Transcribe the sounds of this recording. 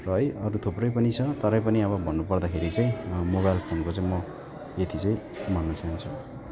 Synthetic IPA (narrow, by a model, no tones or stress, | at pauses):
rʌʌjʌɾut̪ʰoprʌjpʌnit͡sʰʌt̪ʌɾʌjpʌniʌβʌbʱʌnːupʌrd̪akʰeɾit͡saĩmoβajlpʰonkot͡saĩmʌ | et̪ʰit͡saĩj̃ | mʌnːʌt͡saɦint͡sʰu